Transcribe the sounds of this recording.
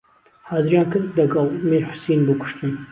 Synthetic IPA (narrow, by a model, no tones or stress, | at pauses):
hɑːzɨɾjɑːnkɨd̪ɐɡɑlˠmeɾħʊ̥seːnbɨkʰʊ̥ʃt̪ɨn